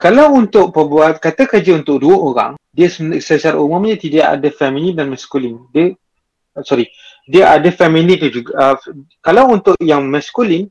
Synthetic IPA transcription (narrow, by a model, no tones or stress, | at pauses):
kalawunt̪ʊʔpəbuat̪̚kat̪əkəd͡ʒəunt̪ʊʔ̚duəʔoɾa̰ŋdiəssəsaɾaʔumaməɲat̪ida̰ʔa̰dəfɛmilidanmaskulində | sɔɾi | diəʔadəfɛmilidəd͡ʒuɡ | kalawunt̪ʊʔʔjaŋmaskulin